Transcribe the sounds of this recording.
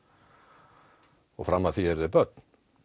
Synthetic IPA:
ɔɣfɾamːaθiɛɾðɪpœt̪n̥

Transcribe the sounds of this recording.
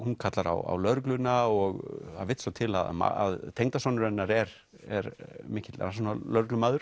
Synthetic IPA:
hunkʰat̪laɾa̰wa̰wlœɾklʏnaɔɣhavɪht̪sat̪ʰɪla̰ð̰ma̰a̰ðt̪ʰejŋt̪asɔwnʏɾɛnːaɾɛɾ | ɛɾmɪːcɪt̪lɾa̰s̬ɔnalœɾklʏmaːðʏɾ̥

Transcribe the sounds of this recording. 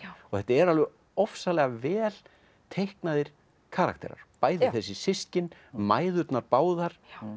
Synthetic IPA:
ɔθɛht̪aɛɾalvɪ | ɔfsalɛɣavɛːl | t̪ʰejhknaðɪɾ̥ | kʰaɾa̰kt̪ɛ̰ɾa̰ɾ̥paːjðθɛsːɪsɪscɪnmaːjðʏt̪naɾpaːwðaɾ̥

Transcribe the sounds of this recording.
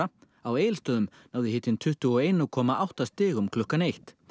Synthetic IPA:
a | aweːjlst̪œːðʏmnaːwðɪhɪːt̪ɪnt̪ʰʏht̪ʏɔejnakʰɔːmaʔawht̪ast̪ɪːɣumkʰlʏhkːanejht̪

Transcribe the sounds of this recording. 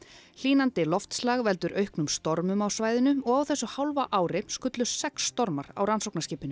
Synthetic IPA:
l̥iːnant̪ɪlɔft̪slaːɣvɛl̪t̪ʏɾʔœɥhknʏmst̪ɔɾmʏmawsvaːjðɪnʏɔɣawθɛsːʏhawlvaʔaːwɾɪskʏt̪lʏsɛksːt̪ɔɾmaɾa̰wɾansowknasciːpɪnʏ

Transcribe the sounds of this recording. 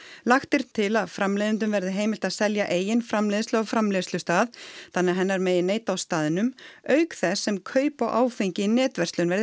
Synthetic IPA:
laxt̪ɪɾ̥t̪ʰɪlaðfɾamleːjðɪnt̪̬ʏmvɛɾðɪɦeːjmɪl̥t̪aðsɛljaʔeːjɪnfɾamlɛðɪst̪lʏafɾamlɪðslʏst̪aːðt̪ʰanɛːaɦɛnːaɾmeːjɪneːjt̪awst̪aːðɪnʏmœːɥkθɛsːɛmkʰœːɥpawʔaːwfejɲcɪinɛːt̪vɛrsʏnvɛɾðɪ

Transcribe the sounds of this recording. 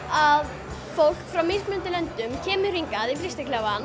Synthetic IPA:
að | fowl̥kfɾawmiɾ̥kmʏnt̪ɪlɛnt̪ʏmcʰɛːmʏriŋkaðifɾɪst̪ɪklava

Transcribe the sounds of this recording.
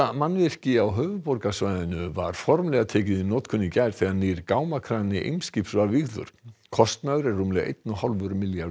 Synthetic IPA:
amanvɪr̥cɪawɦœːvʏpɔɾkasvaːjðɪnʏva̰ɾ̥fɔɾmlɛɣat̪ʰɛːcɪðinoːt̪kʰʏnːicajɾ̥θɛɣaniɾkaːwmakʰɾanɪʔḛjmscipsvavɪɣðʏ̰ɾ̥kʰɔst̪naɣʏɾɛɾːumlɛɣʔḛjt̪nʏhalvʏɾmɪlja

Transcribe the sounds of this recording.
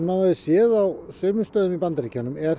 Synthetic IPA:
maaɪsjɛːðawsœːmʏst̪œːðʏmipant̪aɾiːcːanːʏmɛɾ

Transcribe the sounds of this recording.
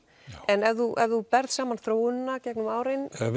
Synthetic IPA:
ʔɛnɛvðuʔɛvðupɛɾð̥saːmanθɾoːwnːacɛknʏmaːwɾɪnɛ

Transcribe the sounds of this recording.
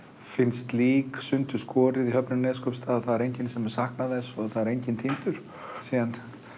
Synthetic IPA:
fɪnst̪liːksʏnt̪ʏ̥skʰɔːɾɪðiɦœpnʏmnɛːskʰɔpst̪ʰaːðaθaðɛɾejɲcɪnsɛmɛɾ̥sahknaðɛsɔɣθaðɛɾejɲcɪnt̪ʰimt̪ʏɾ̥ | siːðan

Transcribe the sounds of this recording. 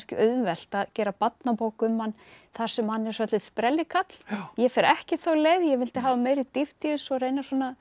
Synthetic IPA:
scɪ̰ʔœðvɛl̥t̪aðcɛːɾapat̪napoːwkʏmːanː | θaɾ̥sɛmhanːɛɾ̥svœt̪ɪðspɾɛlːɪkʰat̪l̥jɛfɛɾɛhcɪθowleːjðjɛvɪlt̪ɪɦaːvameːjɾɪðt̪ɪft̪iʏsɔrejnaswɔːna

